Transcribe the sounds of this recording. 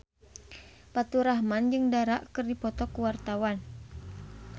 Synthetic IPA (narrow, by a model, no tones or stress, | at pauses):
pat̪uɾaɦmand͡ʒɨŋdaɾaʔkɨrdipɔt̪ɔkəwart̪awan